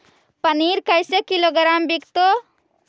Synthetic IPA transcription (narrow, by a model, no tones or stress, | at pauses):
pəniɾkajsekiloɡɾambikt̪o